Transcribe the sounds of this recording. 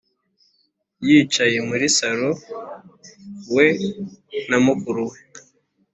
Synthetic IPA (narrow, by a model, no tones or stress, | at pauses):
jiːt͡ʃaje̞muɾisaɾo | we | namukuɾuwe